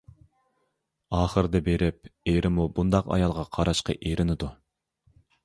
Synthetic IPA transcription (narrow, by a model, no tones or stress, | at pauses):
ɑːχəɾd̪ɛbeɾɪp̚eɾɪmubund̪ɑqɑ̰jɑlˠʁɑqʰɑɾɑʃqə̰ʔeɾʔɪnɪd̪u